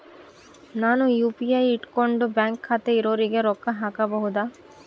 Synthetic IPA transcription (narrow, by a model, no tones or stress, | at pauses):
nanujupiajiʈkɔɳɖobɛŋkʰːat̪eiɾoɾiɡeɾɔkʰːaɦakabɔɦud̪a